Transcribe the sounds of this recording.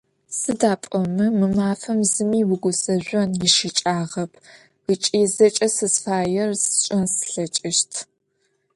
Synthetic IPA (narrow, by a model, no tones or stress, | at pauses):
sɨdaːpʼɔmɨmɨmaːfɐmzɨmiːwʊɡʷʊsɐʒʷɐnjɪʃit͡ʃʼaːʁɐpʰ | ɨt͡ʃʼiːzɐt͡ʃʼɐsɨsfaːjɛrsɕʼɐnsɬɐt͡ʃʼɪʃtʰ